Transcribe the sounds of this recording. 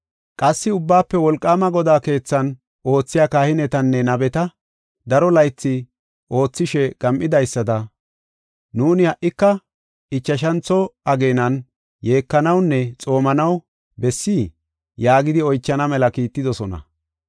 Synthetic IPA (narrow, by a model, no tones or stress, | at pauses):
kʼɐsːɪʊbːaːpːɛwɔlkʼːaːmɐɡɔd̪aːke̞ːt͡sːɐn | o̞ːt͡sːɪjaːkaːhɪnɛt̪ɐnːɛnɐbɛt̪ɐ | d̪ɐɾɔlɐjt͡sːɪ | ʔo̞ːt͡sːɪʃɛɡ̥ɐmʔɪd̪ɐjsːɐd̪ɐ | nuːnɪhɐʔːɪkːɐ | ɪt͡ʃːɐʃ̬ɐnt͡sːɔɐɡe̞ːnɐn | je̞ːkːɐnɐwnːɛt͡sʼo̞ːmɐnɐw | bɛsːi | jaːɡɪd̪ɪɔjt͡ʃːɐnɐmɛlɐkiːt̪ːɪd̪ɔsɔnɐ̰